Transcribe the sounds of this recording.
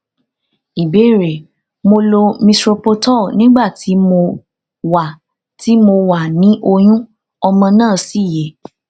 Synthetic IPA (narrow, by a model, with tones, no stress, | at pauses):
i˨be˨˦˨ɾe˨ | mo˧lo˧mĩ˧tɾo˧po˧tɔ˦˨nĩ˨˦ɡ͡ba˦˨ti˨˦mo˧ | wa˨ | ti˨˦mo˧wa˨nĩ˨˦ʔo˧j̃ũ˦ | ɔ˧mã˧nãː˦˨si˦˨je˨˦